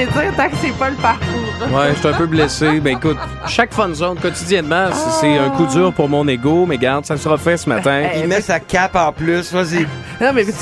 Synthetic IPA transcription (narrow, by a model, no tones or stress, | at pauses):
ezɪt̪ãksepɔlpaʁkuːʁwɛʃt̪ɛ̃pøblesemɛ̃ekʊt̪̚ | ʃakfɔ̃nzɔ̃d̪kɔt̪idd͡zjɛnmãsisɛœ̃kud͡zyːʁpʊʁmɔ̃neɡomɛɡaʁd̪sasəʁəfɛsəmat̪ɛ̃imɛsakʲapɑ̃plʏsvazi | nɔ̃mɛ